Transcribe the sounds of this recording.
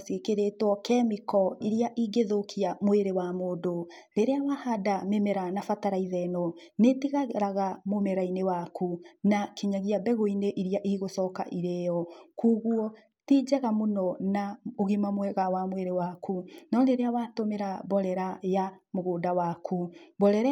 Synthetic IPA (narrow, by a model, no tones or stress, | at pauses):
sekeɾetwɔkɛmikɔiɾiaʔiɡeðokʰiamoeɾewamoːdo | ɾeɾeawahadamemɛɾanafataɾaiðɛnɔ | netiɣaɾaɣamomɛɾainewakunakiɲaɣiabɛɣoineʔiɾiaʔiɣosɔka̰ʔiɾejɔkuːɣuɔ | tid͡ʒɛɣamonɔnaoɣimamwɛɣawamweɾewakunɔɾeɾeawatomeɾabɔɾɛɾajamoɣoːdawakʰubɔɾɛɾɛ